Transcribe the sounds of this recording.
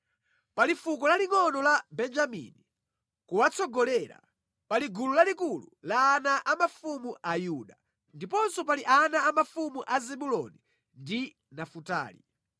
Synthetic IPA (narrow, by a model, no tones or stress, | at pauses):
palifukɔlaliŋɔnɔlabɛnd͡ʒamḭni | kuwat͡sɔɡɔlɛɾa̰ | paliɡululalikulṵlaːnaʔamafumuʔajuɗa | ndipɔnsɔpaliʔanaːmafumuʔazɛɓulɔ̰ni | ndi | nafuta̰ːlḭ